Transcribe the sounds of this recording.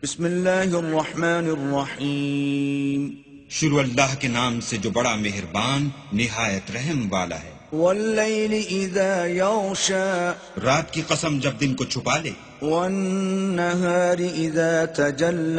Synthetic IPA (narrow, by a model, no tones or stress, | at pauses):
bɪsmɪlːaːɦɪrˤːɑħmaːnrˤːɑħiː | m | ʃʊɾuːɐlːaːɦkenaːmsed͡ʒoːbɐɽameɦɪɾbaːnː | ɪɦaːjət̪ɾɛɦɛmʋaːla̰ɦɛːwɐlːejlɪʔɪðaːjɑɣʃaː | ɾaːt̪kiqɐsəmd͡ʒɐb̚d̪ɪnkot͡ʃʰʊpaːlḛː | wɐnːaɦaːɾɪʔɪðaːt̪ɐd͡ʒalː